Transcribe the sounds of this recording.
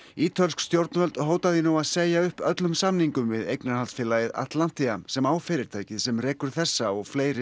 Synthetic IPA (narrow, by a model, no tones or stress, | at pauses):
iːt̪ʰœlskst̪jowɾt̪nvœlt̪ɦoːwt̪aðjɪnuwaðseːjaʏhpœt̪lʏmsamniŋkʏmvɪðejknaɾhalsfɪːlajɪða̰t̪lan̥t̪iamsɛmaːwfɪɾɪɾ̥t̪ʰaːjcɪðsɛmrɛːkʏɾ̥θɛsːaɔɣfleːjɾɪ